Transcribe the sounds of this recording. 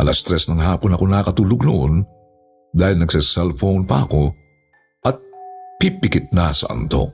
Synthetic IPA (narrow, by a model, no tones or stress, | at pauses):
ʔɐlɐst̪ɾɛsnɐŋɦaːpo̞nɐko̞nɐkɐt̪uːloɡ̚nʊʔon | d̪aːhɪlnɐɡsɛsɛlfownpɐ̰ʔɐko̞ | ʔɐt̪̚pipɪkɪt̪̚nasɐ̰ʔɐ̰nt̪o̞̰